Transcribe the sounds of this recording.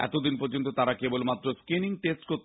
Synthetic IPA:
ɛ̰t̪od̪inpɔɾd͡ʑont̪ot̪aɾakebolmat̪ːɾoskiniŋʈesʈkoɾt̪

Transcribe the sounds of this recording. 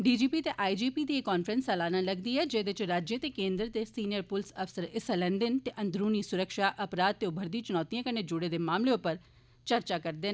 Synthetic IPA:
ɖiːd͡ʒiːpiːt̪eːʔaːid͡ʒiːpiːd̪iːekːaːnfʰɾənsɛːlaːnãːləɡd̪iːɦɛːd͡ʒeːd̪ɪt͡ʃɾaːd͡ʒjət̪eːkẽːnd̪ɾt̪eːsiːnɪjəɾpʊlsəfsəɾɪsəlɛ̃ːnd̪ɪnt̪eːʔə̃nd̪ɾuːniːsʊɾəkʃaːʔəpɾaːd̪̚t̪eːʊbʱəɾd̪ĩt͡ʃʊnɔːt̪ijãːkəɳeːd͡ʒʊɽeːd̪eːmaːmleʊpəɾ | t͡ʃəɾt͡ʃaːkəɾd̪eːn

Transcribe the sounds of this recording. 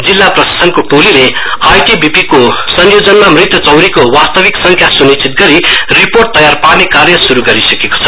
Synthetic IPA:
d͡zilːaprʌsḁsʌnkoʈolile | ajʈibʱipikosʌnjod͡zʌnmamrit̪wʌt͡sʌwɾikowast̪ʌbiksʌŋkʰjasunit͡sit̪̚ɡʌɾiriporʈ̚t̪ʌjarpanekarjʌsuɾuɡʌɾisʌkeko̥t͡sʰʌ̥

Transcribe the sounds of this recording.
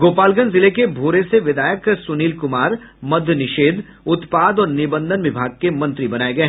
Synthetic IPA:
ɡoːpaːlɡə̃nzɪlekebʱoːɾeseʋɪd̪aːjəksʊniːlkʊmaːɾ | mɐd̪ʱjənɪʃeːd̪ | ʊt̪paːd̪ɔːɾnɪbə̃nd̪ʱənʋɪbʱaːɡ̚kemɐ̃nt̪ɾibɐnaːeɡɐeɦ

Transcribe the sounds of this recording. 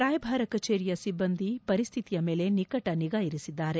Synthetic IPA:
ɾaːjɐbʱaːɾɐkɐt͡ʃeːɾijɐsibːɐnd̪ʱipɐɾist̪ʰit̪ijɐme̞ːle̞nikɐʈɐniɡaːjiɾisid̪ːaːɾe̞

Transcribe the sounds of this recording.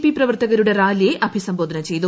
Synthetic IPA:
piprɐʋɐrt̪ɐɣɐɾuɽe̞raːlijeʔɐbʱisɐmbo̞ːd̪ʱɐnɐt͡ɕe̞jt̪u

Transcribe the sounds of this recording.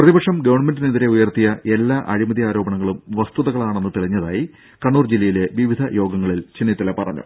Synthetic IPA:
prɐðibɐkʂɐmɡɐʋɐɳme̞ndineðiɾe̞ujɐrt̪ijɐʔe̞lːaːʔɐɻimɐðiaːɾo̞ːbɐɳɐŋːɐɭumʋɐst̪uðɐɣɐɭaːɳe̞nːut̪iɭiɲːɐða̰ːji | kɐɳːuːrd͡ʑilːɐjile̞ʋiʋid̪ʱɐjo̞ːɡɐŋːɐɭilt͡ɕenːit̪ːɐlɐpɐrɐ̰ɲːṵ

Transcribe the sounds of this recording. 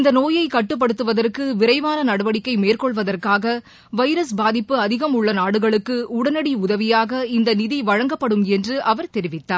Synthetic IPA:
ɪnd̪ɐnoːjɐɪkɐʈːɯp̬ːɐɽɯt̪ːɯʋɐðɐrkɯʋɪɾɐɪʋaːnɐnɐɽɐʋɐɽɪkːɐɪmeːrkɔɭʋɐðɐrkaːɣɐ | ʋɐɪɾɐsbaːðɪpːɯɐðɪɣɐmʊɭːɐnaːɽɯɣɐɭɯkːɯʊɽɐnɐɽiʊðɐʋɪjaːɣɐɪnd̪ɐnɪðiʋɐɻɐŋɡɐpːɐɽɯmɛndrɯʔɐʋɐɾt̪ɛɾɪʋɪt̪ːaːɾ

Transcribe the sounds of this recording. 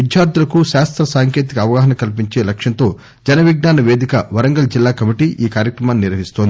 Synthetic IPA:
id̪ʱjaːɾd̪ulɐkuʃaːst̪ɾɐsaːŋke̞ːt̪̬ikɐːʋɐɡaːɦɐnɐkɐlp̬iɲt͡ʃe̞ːlɐkʂɐnt̪o̞ː | d͡ʒɐnɐʋiɡ̚naːnɐʋeːd̪ikɐʋɐɾɐŋɡɐld͡ʒilːaːkɐmiʈiːʔʔiːkaːɾjɐkɾɐmaːniniɾʋɐɦist̪ond̪i

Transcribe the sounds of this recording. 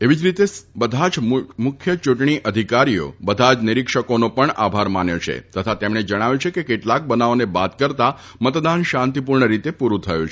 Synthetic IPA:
eʋid͡ʒɾit̪ebəd̪ʱad͡ʒmʊkʰjət͡ʃuʈɳ̃iʔəd̪ʱikaɾijo̰bəd̪ʱad͡ʒnɪɾikʃəkonopəɳa̰bʱaɾmanjot͡ʃʰḛt̪ət̪ʰat̪emɳ̃ed͡ʒəɽ̃aʋjũt͡ʃʰekekeʈlak̚bənaonebat̪kəɾt̪a | mət̪d̪anʃãnt̪ip̬uɾɳəɾit̪epuɾut̪ʰəjṵ̃t͡ʃʰ

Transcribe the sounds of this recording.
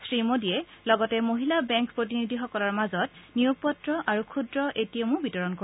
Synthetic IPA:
sɹimodiɛlɔɡɔtɛmoɦilabɛ̃ŋkpɹot̬inidʱixɔkɔlaɹmazɔtnijuɡ̚pɔtɹɔʔaɹukʰudɹɔʔetijamũbitɔɹɔnko

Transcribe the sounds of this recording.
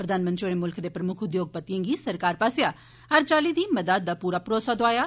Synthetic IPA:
pɾəd̪aːnmənt̪t͡ʃoɽeːmʊlkʰd̪eːpɾəmʊkʰʊd̪joːɡ̚pət̪ːiə̃ŋɡiːsəɾkaːɾpaːsɪjaː | əɾt͡ʃaːliːd̪iːməd̪ad̪̚d̪aːpuːɾaːpɾɔːsaːd̪oaːjaː

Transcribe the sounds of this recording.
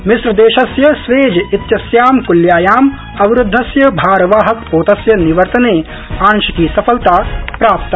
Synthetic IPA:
mɪsɾɐd̪eːʃɐsjɐsʋeːd͡ʒɐit̪jɐsjaːmkuljaːjaːm | ɐʋɪɾʊd̪ʱːɐsjɐbʱaːɾɐʋaːɦɐkpoːt̪ɐsjɐniʋɐɾt̪ɐneː | aːnʃɐkiːsɐfɐlt̪aːpɾaːp̚t̪

